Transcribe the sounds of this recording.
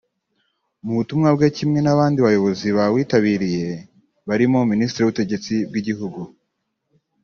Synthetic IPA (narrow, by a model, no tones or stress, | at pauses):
muβutumŋabɡecimŋe̞naβaːndiβajo̞βo̞ziβawiːtaβiːɾije̞ | βaɾimo̞ministɾejuβute̞ɟe̞t͡sib̚ɡiɟiɦuɡu